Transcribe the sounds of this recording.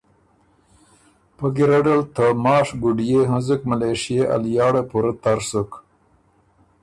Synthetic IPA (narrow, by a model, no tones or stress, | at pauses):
pəɡiɾaɖalt̪əmɑːʂɡuɖijeɦanzukmaleʂijeʔa̰ljɑːɽepuɾat̪aɾsuk